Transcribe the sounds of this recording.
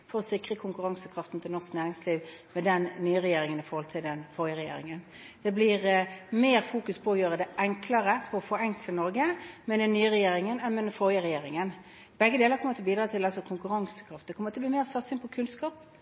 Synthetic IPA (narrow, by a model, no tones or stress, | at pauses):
fɔɾɔsɪkʁəkʰʊŋkʉʁɑŋsəkʰɾɑft̪n̩t̪ʰɪlɔʁsknæːʁɪŋsliːʋmɛd̪ɛnːyːəʁɛjeːɾɪŋənɪfɔɾhɔlt̪ʰɪld̪ɛnfɔʁjəʁɛjḛːɾɪ̰ŋən | d̪̥ɛblɪʁmeːɾfuːkʉspʰɔɔjøːʁəd̪ɛʔɛŋkʰlɑʁəfʰɔɾɔfɔɾɛŋkʰlənɔɾɡəmɛd̪ɛnːyːəʁɛjeːɾɪŋənɛnmɛd̪ɛnfɔjəʁɛjeːɾɪŋən | b̥ɛɡːəd̪eːləɾkʰɔmət̪ʰɛbiːd̪ɾɑːt̪ʰɪlɑlsɔkʰʊŋkʉʁɑŋsə̥kʰɾɑft̪d̪ɛkʰɔməɾɑt̪ɛblɪmeːʁsɑt̪sɪnpʰɔkʰʉnskɑːp̚